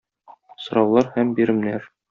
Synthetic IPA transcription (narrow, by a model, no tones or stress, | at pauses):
sŏɾɑwlˠɑɾhæmbiɾɘ̆mnæɾ